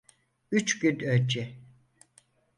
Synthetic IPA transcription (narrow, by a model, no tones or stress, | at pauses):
yt͡ʃɟynøld͡ʒɛ